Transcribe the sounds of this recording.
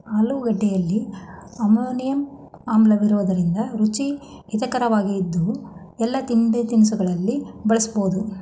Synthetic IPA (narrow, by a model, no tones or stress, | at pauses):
ɐluɡɐɖːɛjɐlːiɐmoːnijɐm | aːmblɐʋiɾuʋɐd̪ɐɾind̪ɐɾut͡ʃi | it̪ɐkɐɾɐʋaːɡiːd̪ːu | ɛlːɐt̪imbet̪inis̬uɡɐɭɐlːibɐɭɐsbo̞ːd̪u